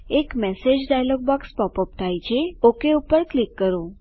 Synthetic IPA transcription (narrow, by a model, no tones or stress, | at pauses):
ekmɛsed͡ʑɖajlɔɡ̚bɔkspɔpɔp̚t̪ʰajt͡ɕʰeokeupəɾklikːəɾo